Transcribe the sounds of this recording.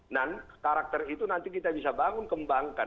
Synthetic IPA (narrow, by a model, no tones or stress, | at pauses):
nankaɾak̚t̪ɛrit̪unant̪ikit̪abisabaŋʊnkəmbaŋkan